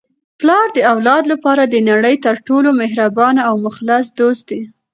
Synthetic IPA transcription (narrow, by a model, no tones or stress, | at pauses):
plɑɾd̪əawlɑd̪lapɑɾad̪ənaɽəjt̪əɾʈolomɪɦɾabɑnaawmʊxlasd̪ozd̪e